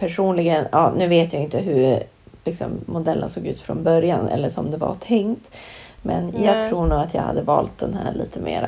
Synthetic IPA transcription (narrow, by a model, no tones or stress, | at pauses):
pʰæʂuːnlɪɡənʔɑːnʉ̟ːveːt̪jaɪnt̪əɦɵ | lɪksɔmːʊd̪ɛlːə̰nsoːɡʉ̟ːt̪fɾɔnbœɾjanɛ̰lːəʂɔmd̪ɛva̰t̪ʰɛŋt̪ | mɛnjɑːɡt̪ʰɾuːɳuːɡat̪jaːha̰d̪ːəvɑːlt̪̚d̪ɛnɦæːɭiːt̪ʰəmeːɾ